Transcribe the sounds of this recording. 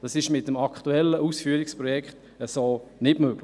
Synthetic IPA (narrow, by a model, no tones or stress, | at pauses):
d̥ɑsɪʃmɪtəmɑktuɛlːəʔuːsfyːəɾɪkspɾɔjɛkχt | əsoːnɪtmøɡ̥lɪ